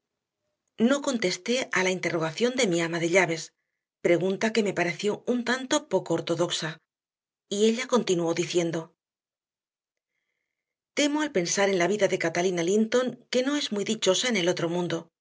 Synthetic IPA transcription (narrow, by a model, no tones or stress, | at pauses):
no̞ko̞nt̪e̞st̪e̞alaint̪e̞ro̞ɣaθjo̞nd̪e̞miamaðe̞ʎaβe̞s | pɾe̞ɣunt̪ake̞me̞paɾe̞θjo̞unt̪ant̪o̞po̞ko̞ːɾt̪o̞ðo̞ksa | ie̞ʎako̞nt̪inuo̞ðiθje̞nd̪o̞ | t̪e̞mo̞alpe̞nsaɾe̞nlaβiðaðe̞kat̪alinalint̪o̞ŋke̞no̞e̞zmuijðit͡ʃo̞sae̞ne̞lot̪ɾo̞mũnd̪o̞